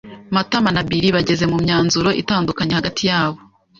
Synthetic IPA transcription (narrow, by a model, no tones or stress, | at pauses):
matamanabiɾiβaɟe̞ze̞mumɲaːnzuɾo̞ʔḭtaːndukaɲehaɡatʰijaːβo̞